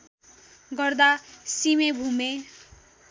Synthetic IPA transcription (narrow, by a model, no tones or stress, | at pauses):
ɡʌrd̪asimebʱume